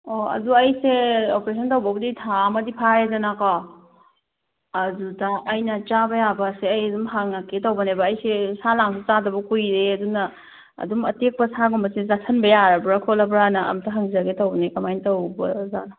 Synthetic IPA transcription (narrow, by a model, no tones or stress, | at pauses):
oɐ̰duɐjseopɾesʰɐntɐwbɐɡɐditʰamɐdipʰaɾedɐnakɔ | ɐdudɐːjnɐt͡ʃabɐjabɐseɐjɐdumɦaŋnakːetɐwbɐnebɐːjsesalaŋset͡ʃadɐbɐkujɾeɐdunɐ̰ː | dumɐtek̚pɐsaɡumbɐsezatʰɐnbɐjaɾɐbɾakʰolɐbɾanɐɐ̰mtʰɐɦɐŋzaɡetɐwbɐnekɐmajntɐwbɐzanɐ